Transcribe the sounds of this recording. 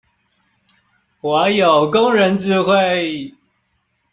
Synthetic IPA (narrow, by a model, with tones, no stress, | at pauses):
wa˨˥˦jo˨˩ʊkʊ˦ŋɻə˧˦nʈ͡ʂɻ̩˥˧xwe˥˧ɪ